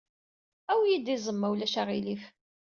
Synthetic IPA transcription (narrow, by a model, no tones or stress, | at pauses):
æwjid̪izˤəmːæwlæʃaʁilif